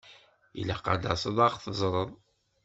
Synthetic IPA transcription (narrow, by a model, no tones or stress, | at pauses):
ḭlæqɑ̰d̪ɑsˤəðˤɑʁθəzˤɾˤəðˤ